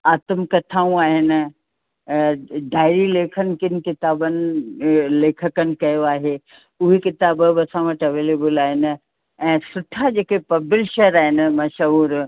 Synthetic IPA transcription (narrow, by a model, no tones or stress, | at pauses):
aːt̪əmkɐt̪ʰaːũaːɦɪnɪ̆ | ɖʱaːɪɾileːkʰənɪ̆kɪnɪ̆kɪt̪aːbənɪ | leːkʰəkənɪ̆kɐjoaːɦe | ʊɦekɪt̪aːbəbɐsãʋəʈʰɐʋeːleːbəlaːɦɪnɪ̆ | ɛ̃ːsʊʈʰad͡ʑeːkepɐbɪlʃɐɾaːɦɪnɪ̆mɐʃɐɦuːɾ